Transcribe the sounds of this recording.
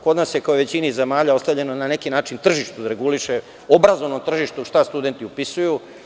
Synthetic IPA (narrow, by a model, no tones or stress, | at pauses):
ko̞d̪nasjekaoʋe̞t͡ɕinaizemaːʎaost̪avʎe̞nonanekinaːt͡ʃint̪r̩ʒiʃt̪ud̪aɾe̞ɡuliʃe | obɾazo̞ʋnomt̪r̩ʒiʃt̪uʃt̪ast̪ud̪e̞nt̪iupisuju